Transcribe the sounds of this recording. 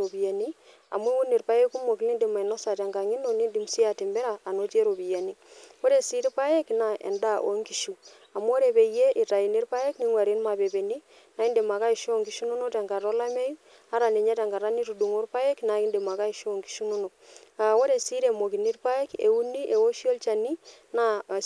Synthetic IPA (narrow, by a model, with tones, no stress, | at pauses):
ɾo˨bi˨ja˨ni˦ | a̰˨m˦e˦wu˦ni˨ɾpa˦je˦ku˦mo˨ki˨ni˦nde˨ma˨i˨no˦sa˨ta˨ŋɡa˨ŋi˦no˨ni˦ndi˨msi˦a˨te˨mbe˦ɾaː˨no˦t͡ʃe˦ɾo˨bi˨ja˨ni˦o˦ɾe˨si˦ɾi˦pa˦je˦kna˨ʔḛ˨nda˦˨ʔo̰˨ŋɡi˨ʃu˨ | a˨m˦o˦ɾe˨be˨je˦ʔi˨ta˨i˨ne˦ɾpa˦je˦kni˦ŋwa˨ɾi˦nma˨be˨be˨ni˦ | na˨˦i˦nde˨ma˨ka˦i˨ʃo˦˨ŋɡi˦ʃu˦nu˦no˦te˨ŋɡa˨ɾo˦la˦me˦ji˦ | a˦ɾa˨ne˨ɲa˦ta˨ŋɡa˨ɾa˦ni˦tu˨du˨ŋo˦ɾpa˦e˦kna˨ki˦nde˨ma˨ka˦i˨ʃo˨ŋɡi̥˨ʃu˦nu˦no˨k̚a˨wo˦ɾe˨si˦ɾe˨mo˨ki˨ni˦ɾpa˦e˦kḛ˨u˦ni˦ʔe˨wo˦ʃi˦o˦lt͡ʃa˨ni˦na˦˨